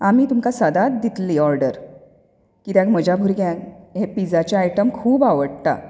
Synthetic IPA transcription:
amiːt̪umkasəd̪at̪̚d̪it̪liɔɾɖəɾ | kit̪jãɡməd͡ʑʱabʱuɾɡjãkɦepid͡zat͡ɕjaajʈəmkʰuːbaʋəɽt̪a̰

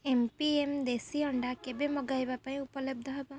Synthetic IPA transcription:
empiemd̪esiɔɳɖakebemɔɡajbapaĩupɔleb̚d̪ʱɔɦɔbɔ

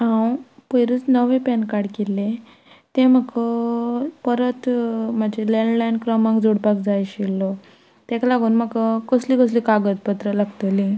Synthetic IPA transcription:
ɦãwpəjɾət͡snəʋẽpɛnkaɽkelːẽ | t̪ẽməkə | pəɾət̪mad͡ʑeleɳɖlajnkɾəmãŋkd͡zoɽpakd͡zajɕilːɔ | t̪ɛ̃klaɡuːnmakəkəslikəslikaɡət̪pət̪ɾəlaɡt̪əlĩ

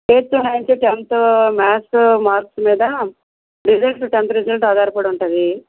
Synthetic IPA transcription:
eːt̪ːunɐjnt͡ʃuʈent̪maːsmaːɾksmiːd̪ɐ | ɾid͡ʒɐlʈʈuʈent̪ɾid͡ʒɐlʈaːd̪aːɾɐpuːɽuɳʈɐd̪i

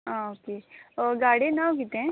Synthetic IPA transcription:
ãoːkeɔɾɡaːɽenaõk̬iːt̪eɦɛ̃

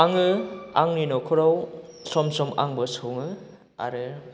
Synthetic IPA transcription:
aŋɯaŋninɔkʰɔɾawsɔmsɔmʔa̰ŋbɯsoŋɯ | a̰ɾɯ

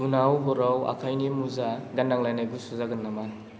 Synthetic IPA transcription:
unawbɔɾawa̰kʰajnimuzaɡanːaŋlajnajɡusuzaɡanːaman

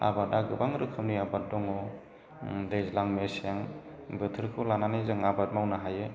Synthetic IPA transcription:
a̰bataɡɯbaŋɾɯkʰɯmniabat̚dɔŋɔ | dejzlaŋmesiaŋ | bɯtʰɯɾkʰɯwlananajzɯŋabat̚mawnaɦajɯ

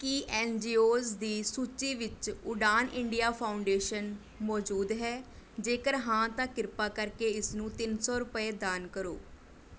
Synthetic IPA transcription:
kiʔɛːnd͡ʒiːoːzd̪iːsuːt͡ʃiːʋɪt͡ʃʊɖaːnʔɪɳɖijaːpʰaːʊɳɖeːʃən | mɔːd͡ʒuːd̪ɦɛːd͡ʒeːkəɾɦãːt̪ãːkɪɾpaːkəɾkeːɪsnũːt̪ɪnsɔːɾʊpəeːd̪aːnkəɾo̰ː

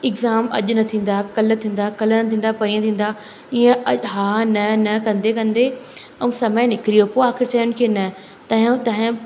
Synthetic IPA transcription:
ɪɡzaːmɐ̰ʄnɐt̪ʰĩːn̆d̪akɐlt̪ʰĩːn̆d̪akɐlnɐt̪ʰĩːn̆d̪apɐɾiːə̃t̪ʰĩːn̆d̪a | iːə̃ɐɦaːnɐnɐkɐ̃nd̪ekɐ̃nd̪e | ɐũsɐməjnɪkɪɾijopoːaːxɪɾt͡ɕaːjʊnɪkʰeːnɐ | t̪ɐːɦt̪ɐːɦɪ̃

